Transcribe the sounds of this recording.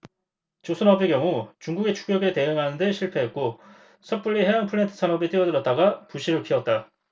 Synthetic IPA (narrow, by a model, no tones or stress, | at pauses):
t͡ɕosʰɯnʌbekjʌŋut͡ɕuŋɡuɡe̞t͡ɕʰu̥k͈̚jʌɡete̞ɯŋɦanɯnde̞ɕʰiɭpʰe̞ɦet̚k͈o | sʰʌp͈uʎːiɦeɦanpʰɯɭɾentʰɯ̥sʰanʌbit͈ɯʌdɯɾʌt̚t͈aɡapuɕʰiɾɯɭpʰiʌt̚t͈a